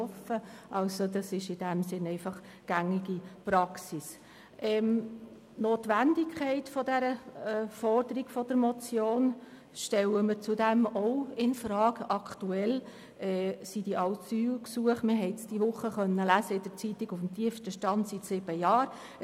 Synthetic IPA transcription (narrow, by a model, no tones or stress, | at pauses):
ɔfəʔɑlsodɑsɪʃɪd̥æmsɪnɛɪfɑχ | ɡ̥æŋɪɡipɾɑksis | ʔɛm | noːtʋændɪkʰχɛɪtfɔdɛɾəɛːfɔrd̥əɾiɡ̥fɔd̥əɾmɔt͡sjoːn | ʃtɛwəmɪɾt͡sudæmɔʊɪnfɾɑːɡɑkʰtuɛl | ɛːsid̥iʔɑʊsyːlksuəχmɪɦɛɪsd̥iʋʊχːəχœnːəlæsəɪd̥əɾt͡sit̪ɪɡufm̩t̪iəfsʃtəʃtɑntsitsɪb̥əjɑːɾ